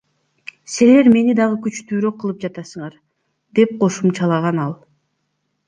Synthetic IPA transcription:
sele̞ɾme̞nid̪ɑʁɯkyt͡ʃt̪yːɾø̞qːɯlˠɯp̚d͡ʒɑt̪ɑsɯɴɑɾ | d̪e̞p̚qʰo̞ʃumt͡ʃɑlˠɑʁɑnɑlˠ

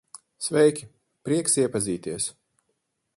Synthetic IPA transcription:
svɛjkʲi | pɾiɛksiɛpaziːt̪iɛs

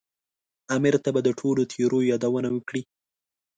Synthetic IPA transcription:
amɪɾt̪abad̪əʈʰolot̪ʰeɾojɑd̪awənawəkɽi

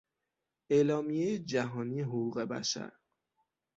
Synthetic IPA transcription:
eːlɒːmijejed͡ʒæɦɒːniːɦoɣuːɣe̞bæ̰ʃæ̰ɾ

